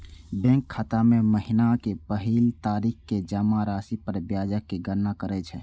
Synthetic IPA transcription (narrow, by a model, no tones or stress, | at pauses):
bɛ̃ŋkʰːat̪amẽməɦɪnakepəɦilt̪aːɾiːkked͡ʒəmaɾaːsipəɾbjaːd͡ʒəkːeɡəɾnakəɾɛt͡ʃʰɛː